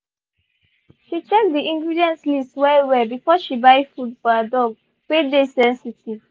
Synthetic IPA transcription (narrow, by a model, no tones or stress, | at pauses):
ʃit͡ʃek̚diĩŋɡɹidiɛ̃ntlistwɛewɛbifɔʃibaɪfudfɔədɔɡ̚ | pedesɛ̃nsitiv̥